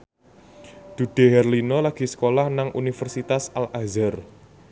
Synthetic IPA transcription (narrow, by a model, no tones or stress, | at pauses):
d̪̥uɖ̥e̤ɦɛrlinɔlaɡ̥i̤sə̥kolahnaŋʔunifərsit̪asalʔazər